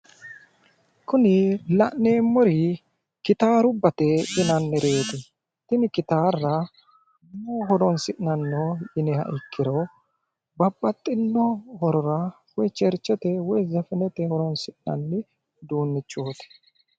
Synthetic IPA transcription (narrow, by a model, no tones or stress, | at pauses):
kʊnɪlɐ̰ʔnːeːmːɔɾɪ | kɪt̪aːɾʊbːɐt̪ɛʔɪnɐnːɛɾe̞ːt̪ɪ | t̪ɪnɪkɪt̪aːɾːɐ | moɦɔɾɔnsɪʔnɐnːɔjɪnɛhɐ̰ʔɪkʰːɪɾɔ | bɐbːɐt̪ʼːɪnːɔhɔɾɔɾɐ | wɔjt͡ʃɛɾt͡ʃːɛt̪ɛwɔjzɛfɪnɛt̪ɛhɔɾɔnsɪʔnɐ̰nːɪ | d̪uːnːɪt͡ʃːoːt̪ɛ̥